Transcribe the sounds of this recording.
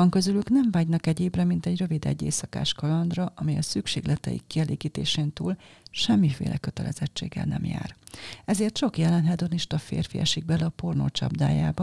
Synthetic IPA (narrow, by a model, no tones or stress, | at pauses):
ɒŋkø̞zylyknɛɱvaːɟnɒkɛɟeːbrɛmint̪ɛɟrø̞vid̪ɛ̰ɟːḛːsɒka̰ːʃkɒlɒnd̪rɒʔɒmijɒsykʃeːɡlɛt̪ɛ̰jḭkːiɛleːɡiːt̪eːʃeːnt̪uːlʃɛmːifeːlʔɛkø̞t̪ɛlʔɛ̰zɛt͡ʃːḛːɡːɛ̰lnɛ̰mja̰ːrɛzeːrt̪t͡ʃo̞kjɛlɛnɦɛd̪o̞niʃt̪ɒfḛːrfieɛ̰ʃiɡ̚bɛlɛɒporno̰ːt͡ʃɒ̰bd̪a̰ːjaːbɒ